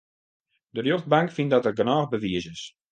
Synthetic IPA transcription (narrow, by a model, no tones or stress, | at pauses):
dərjox̚baŋkfindɔtərɡənɔːxbəʋiəsɪs